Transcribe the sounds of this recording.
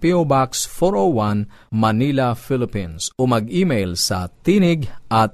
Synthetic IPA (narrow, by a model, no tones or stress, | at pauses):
piobaksfɔɹowan | mɐniːlɐfɪlɪpĩnsomɐɡʔiːmejlsɐ̰t̪iːnɪɡʔɐt̪̚